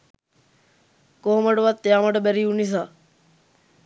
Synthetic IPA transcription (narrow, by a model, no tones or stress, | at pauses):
koɦoməɖəʋat̪ːejaːməɖəbæɾiːunis̬aː